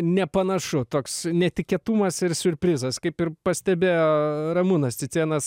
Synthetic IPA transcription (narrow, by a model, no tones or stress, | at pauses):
nʲɛpɐnɐʃʊt̪oːksnʲɛt̪ʲɪkʲɛt̪uːmɐsɪrsʲʊɾʲpʲɾʲɪzɐskɐɪpɪrpɐsʲt̪ʲɛbʲeːjoːɾɐmunɐst͡sʲɪt͡s̪ʲiɛnɐs